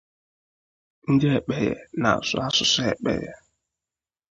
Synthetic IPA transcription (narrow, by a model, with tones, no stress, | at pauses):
n̩˦dɪ˦e˨k͡pe˨jḛ˨na̰˨sʊ̰˨a˦sʊ˨sʊ˦e˨k͡pḛ˨jɛ̰˨